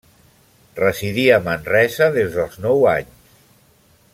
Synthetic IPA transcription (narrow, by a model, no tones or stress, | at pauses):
rəziðiəmənrɛzəðezðəlˠznɔwaɲ | s